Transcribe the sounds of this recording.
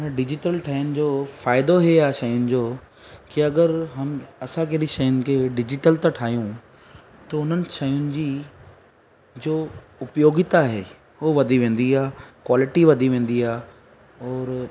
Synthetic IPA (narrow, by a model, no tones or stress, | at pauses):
ɖɪd͡ʑɪʈəlʈʰaːjʊnɪ̆d͡ʑoːfaːɪd̪oɦeaːʃɐjʊnɪ̆d͡ʑoː | kiɐɡəɾɦɐmɐsãkeɗĩʃɐjʊnɪ̆kʰeːɖɪd͡ʑɪʈəlt̪aʈʰaːɦijũ | t̪ɐʊn̤ənɪ̆ʃɐjʊnɪ̆d͡ʑi | d͡ʑoː | ʊpjoːɡɪt̪aɦeː | ɦoʋɐd̪ʱiʋẽːn̆d̪iaːkwaːlɪʈiʋɐd̪ʱiʋẽːn̆d̪iaː | ɔːɾ